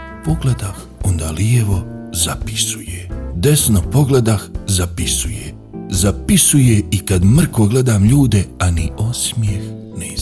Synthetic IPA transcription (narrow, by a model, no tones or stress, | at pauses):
po̞ɡled̪ax | ond̪aːlieʋo̞zapi̥su̥jed̪e̞snopo̞ɡle̞d̪axzapisuje | zapisujeikad̪mr̩koɡle̞d̪amʎuːd̪e̞anio̞smjex | ne